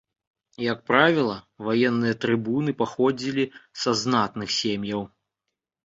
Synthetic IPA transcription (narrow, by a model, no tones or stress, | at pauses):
jɐk̚pɾavʲilˠɐ | vajɛnːɨjɐt̪ɾɨbunɨpaxɔd͡zʲilʲisaznat̪nɨxsʲemjɐw